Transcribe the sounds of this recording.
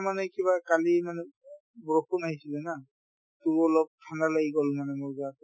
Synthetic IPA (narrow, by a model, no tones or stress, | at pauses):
manɛkiβakalimanɛ | bɹokunaɦisilɛna | tʊɹɔlɔp̚tʰanalaɡiɡɔlmanɛmʊɹzat